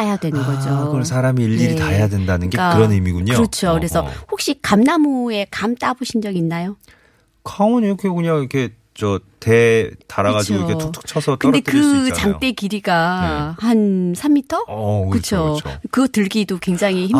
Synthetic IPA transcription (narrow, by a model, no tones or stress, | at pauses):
ajadwe̞nɯnɡʌd͡ʑokɯsʰaɾamiiʎːiɾitajadwendanɯnɡe̞kɯɾʌnimiɡuɲoɯɾʌt͡ɕʰokɯɾe̞sʰʌhok̚ɕ͈ikamnamue̞kamt͈aboɕʰind͡ʑʌɡinːajo | kaŋʌniɾʌkʰekɯɲaŋiikʰe̞ | t͡ɕʌtetaɾaɡad͡ʑiɡoikʰeotʰɯ̥k̚t͡ɕʰʌsʰʌtkɯnde̞kɯt͡ɕaŋt͈e̞kiɾiɡahansʰamːitʰʌkɯt͡ɕʰookɯɡʌtɯɭɡidokwe̞ŋd͡ʑaŋiim